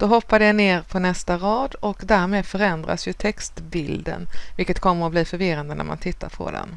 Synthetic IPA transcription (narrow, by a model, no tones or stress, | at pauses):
d̪̥ɔɦɔpːad̪əjaneːɾpʰɔnɛst̪aɾɑːd̪ɔkd̪æɾmeːd̪fœɾɛnd̪ɾa̰sjɵt̪ʰɛkst̪bɪld̪ə̰nvɪlkət̪kʰɔmːəɾɔbliːfœɾvɪɾand̪ənæ̰ɾma̰nt̪ʰɪt̪ːa̰ɾpʰɔ̰d̪ɛ̰n